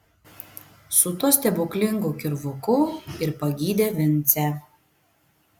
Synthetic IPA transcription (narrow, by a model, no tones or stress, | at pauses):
sʊt̪uɔsʲt̪ʲɛbʊklʲɪŋɡukʲɪɾʋʊkʊɪɾpɐɡʲiːd̪ʲeːʋʲɪnʲt̪sʲɛ